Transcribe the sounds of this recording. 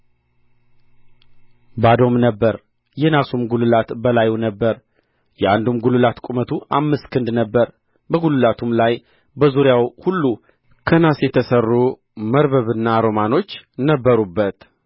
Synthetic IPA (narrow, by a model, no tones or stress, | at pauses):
bad̪o̞mnəbːəɾ | jɛnasumɡulɨlat̪bəlajunəbːəɾ | jɛand̪umɡulɨlat̪kʼumət̪ʰuʔamːɨskʰɨnd̪nəbːəɾ | bəɡulɨlat̪ʰumlaj | bəzuɾjawhulːu | kʰənasjɛt̪ʰəsərːu | məɾβəβɨnːaɾo̞mano̞t͡ʃːnəbːəɾubːət̪